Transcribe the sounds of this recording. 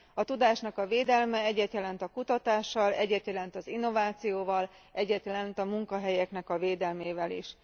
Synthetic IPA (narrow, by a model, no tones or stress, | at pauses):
ɒt̪ud̪aːʃnɒkɒveːd̪ɛlmɛɛɟːɛt̪jɛlɛnt̪ɒkut̪ɒt̪aːʃːɒlɛɟːɛt̪jɛlɛnt̪ɒzinːo̞vaːt̪sijoːvɒlʔɛɟːɛt̪jɛlɛnt̪ɒmuŋkɒɦɛjɛknɛkɒveːd̪ɛlmeːvɛlḭʃ